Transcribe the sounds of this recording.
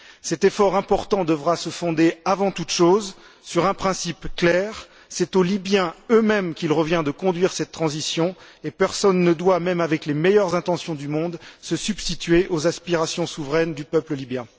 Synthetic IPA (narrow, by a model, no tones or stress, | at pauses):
sɛt̪efɔʁɛ̃pɔʁt̪ɑ̃d̪əvʁasəfɔ̃d̪eavɑ̃t̪ut̪ʃoz | syʁɛ̃pχɛ̃sipklɛʁ | sɛt̪olibjɛ̃ømɛmkʲilʁəvjɛ̃d̪əkɔ̃d̪ɥiʁsɛt̪ːχɑ̃zisjɔ̃epɛʁsɔnːəd̪wamɛmavɛklemɛjœʁzɛ̃t̪ɑ̃sjɔ̃d̪ymɔ̃d̪səsybst̪it̪ɥeʔozaspiʁasjɔ̃suvʁɛnd̪ypœpləlibjɛ̃